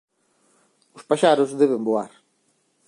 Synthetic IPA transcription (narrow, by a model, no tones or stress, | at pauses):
ʊspaʃaɾʊzðeβemboaɾ